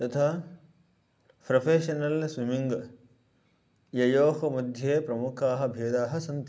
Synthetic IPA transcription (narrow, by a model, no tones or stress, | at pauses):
t̪ɐt̪ʰaː | pɾɐpʰeːʃɐnɐlswimiŋɡɐ | jɐjoːɦɐmɐd̪ʱjeːpɾɐmukʰaːɦɐ̆bʱeːd̪aːɦɐ̆sɐnt̪